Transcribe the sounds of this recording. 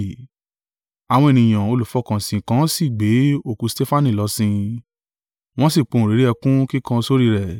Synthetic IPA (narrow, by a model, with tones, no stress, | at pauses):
a˨w̃ɔ̃˧e˨nĩ˨j̃ã˨o˧lu˨fɔ˨˦kã˨sĩ˨kã˨˦si˦˨ɡ͡be˨˦o˧˨kũ˨˧ste˦fa˦˨nĩ˦˨lɔ˧˦sĩ˧ | w̃ɔ̃˦si˦˨k͡põ˨˧˨ɾe˨˦ɾi˦ɛ˧kũ˦ki˦kã˧so˦ɾi˦˧ɾɛ˦˨